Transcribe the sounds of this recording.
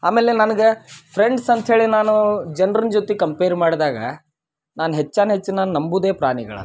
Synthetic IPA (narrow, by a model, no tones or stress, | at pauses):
a̰ːme̞ːlenɐnɐɡepʰɾeɳɖsɐnt̪ɦe̞ːɭinaːnud͡ʒɐnɾɐnd͡ʒot̪ikɐmpeːɾmaːɽd̪aːɡɐ̰ | naːnɦet͡ʃːaːnɦet͡ʃːinaːnnɐmbud̪e̞ːpɾa̰ːɳiɡɐ̰ɭɐ̰